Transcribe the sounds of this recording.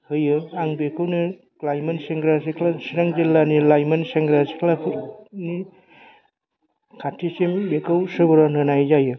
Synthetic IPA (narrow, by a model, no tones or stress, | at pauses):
hɯjɯaŋbekʰɯwnɯ | klajmenseŋɡɾasekʰlasiɾaŋd͡ʒilːanilajmenseŋɡɾase̥kʰlapʰuɾni | kʰatʰisembekʰɯwsɯbɾanɯnajzajɯ